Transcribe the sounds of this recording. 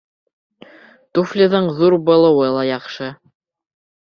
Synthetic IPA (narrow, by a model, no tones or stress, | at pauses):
t̪uflʲɪðɤɴðuɾbɤ̆lˠɤ̆wɤlˠɑjɑχʃɤ